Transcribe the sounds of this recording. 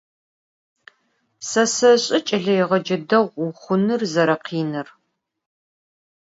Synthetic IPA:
sɐsɐɕʼɪt͡ʃʼɐɮɐjɛʁɐd͡ʒɐdɐʁʷʊχʷʊnɨrzɐɾɐqʰiːnɨr

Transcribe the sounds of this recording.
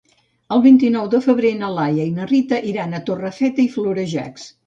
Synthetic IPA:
əlˠβint̪inɔwd̪əfəβɾenəlajəinərit̪əʔiɾanət̪orəfɛt̪əifluɾəʒa̰ks

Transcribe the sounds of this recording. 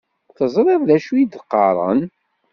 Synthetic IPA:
θəzˤɾˤeððæʃujid̪əqːɑ̰ɾˤə̰n

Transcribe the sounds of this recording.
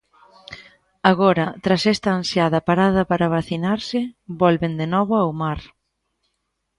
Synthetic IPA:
aɣɔɾɐt̪ɾasɛst̪aːnsjaðɐpaɾað̞ɐpaɾaβaθinaɾsɪbɔlβend̪enɔβʊawmaɾ

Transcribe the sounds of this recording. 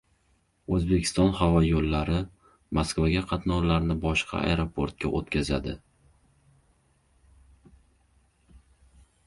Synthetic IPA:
ɵzbekʲʰɪ̥st̪ɒnhavɒjolːaɾɪ | maskvaɡʲaqʰɑt̪nɒwlaɾnɪbɒʃqʰɑ̰a̰jɾopʰoɾt̪̚kʲa̰ʔot̪kʲʰazad̪ɪ

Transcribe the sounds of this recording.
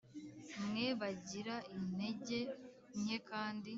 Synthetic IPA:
mŋe̞βaɟiɾaine̞ɟe̞ | ɲe̞kaːndi

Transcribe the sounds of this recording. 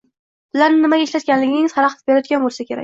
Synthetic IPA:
b̥ɪlaɾnɪnɪmaɡʲaeʃlat̪kʲanlɪɡʲɪŋʲɪz̥haɾɑqʰt̪ɪpbeɾajɒt̪ɡʲanbolˠsakʲʰe̞ɾa̰kʲ

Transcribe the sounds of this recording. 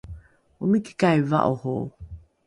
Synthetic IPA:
uniki̥kajva̰ʔoho

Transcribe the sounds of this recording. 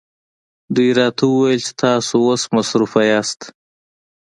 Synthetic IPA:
d̪ujɾɑt̪ʰawuwajelt͡ʃe̥t̪ʰɑːsoosmasɾufajɑːst̪

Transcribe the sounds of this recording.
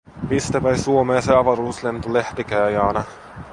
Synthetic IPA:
mist̪æpæjsuomeːseɑʋɑɾuːslent̪uleht̪ikæjɑːnɑ

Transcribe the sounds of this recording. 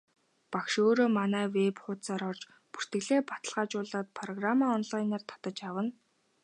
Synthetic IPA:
pakʃoːɾoːmanæːwepχʊt̪t͡saːɾɔrt͡ɕ | pu̥r̥t̪ɡɘ̆ɣɮeːpḁt̪ə̥̆ɮʁaːt͡ɕʊːɮaːt̪̚pʰrɔɣramaːɔnɮajnaːr̥t̪ʰḁt̪ə̆t͡ɕjawə̆n

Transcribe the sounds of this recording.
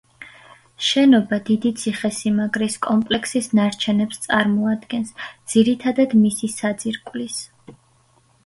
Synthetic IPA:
ʃɛnɔbad̪id̪it̪sʰiχɛsimaɡɾiskʼɔmpʼlɛkʰsisnaɾt͡ʃʰɛnɛpst̪sʼaɾmɔad̪ɡɛnsd̪z̥iɾit̪ʰad̪ad̪misisad̪ziɾkʼwlis

